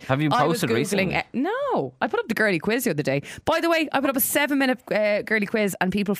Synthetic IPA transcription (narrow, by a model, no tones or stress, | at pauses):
həvjəaɪoʊsztəɡɹiɡlɪ̃ŋnoʊaɪpʰʊɾʌp̚ðəɡɜ˞likʰw̥ɪz̥təəðədeɪb̥aɪðəweɪʔa̰ɪpʊɾʌp̬ə̥sɛvə̃nmɪ̃nəɡ̥ɜːlikʰw̥ɪzə̃npiˑpəl̩ˠ